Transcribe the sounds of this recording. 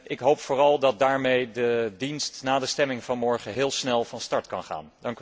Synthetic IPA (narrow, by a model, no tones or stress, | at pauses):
ʔɪkɦowpfʊːrɑlˠdɑt̚daːɹmejdədinstnaːdəstɛmɪŋv̥ɑnmɔɹχəɦɪːlˠsnɛlˠvɑnstɑɹtkɑnχa̰ːndɑŋk